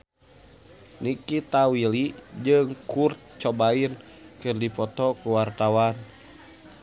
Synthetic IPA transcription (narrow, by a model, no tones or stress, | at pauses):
nikit̪awilid͡ʒɨŋkurt̪̚t͡ʃɔbain | kɨrdipɔt̪ɔkuwart̪awan